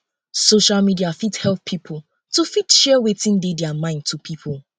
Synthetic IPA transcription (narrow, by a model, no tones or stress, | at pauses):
soʃalmidiafithɛlpʰːipʰʊl̩ | tufitʃɛwetĩndedɛamãɪ̃nd̚tʰupʰipʰʊlˠ